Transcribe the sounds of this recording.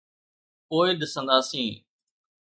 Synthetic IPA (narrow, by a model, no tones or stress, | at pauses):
poːiɗ̪ɪsə̃nd̪aːsĩː